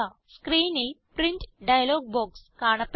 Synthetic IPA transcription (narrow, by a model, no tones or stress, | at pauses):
ɐ | skɾiːnipɾiɲʈɖɐjɐloːɡ̚boːkskaːɳɐpː